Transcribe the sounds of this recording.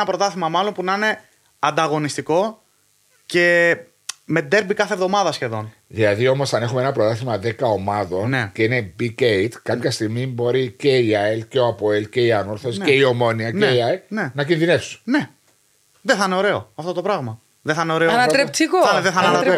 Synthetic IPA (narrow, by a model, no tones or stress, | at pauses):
nɐpɾo̞t̪ɐθimɐmɐlo̞npunɐine̞ | ɐnd̪ɐɣo̞nist̪iko̞ | ce̞ | me̞id̪e̞ɾbikɐθevðo̞mɐðɐsçe̞ðo̞n | ðilɐðio̞mo̞sɐnexumeenɐpɾo̞t̪ɐθimɐðe̞kɐo̞mɐðo̞nneceine̞bikeit̪kɐpçɐst̪iɣmibo̞ɾice̞iɐelce̞oɐpoelce̞iɐnoɾθoseio̞mo̞niɐneiɐene̞nɐcinðine̞fsunne̞ | ðeθɐneo̞ɾe̞o̞ɐft̪ot̪o̞pɾɐɣmɐ | ðeθɐneo̞ɾe̞oɐnɐt̪ɾep̪t͡sikoɐðeθɐɐɐt̪ɾe